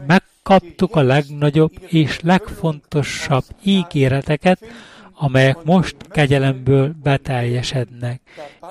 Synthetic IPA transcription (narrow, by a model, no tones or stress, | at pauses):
mɛkːɒpt̪ukɒlɛɡnɒɟo̞bːeːʃlɛkfo̞nt̪o̞ʃːɒbːiːɡeːɾɛt̪ɛkɛt̪ɒmɛjɛkmo̞ʃt̪kɛɟɛlɛmbøːlbɛt̪ɛrjɛʃɛd̪nɛk̚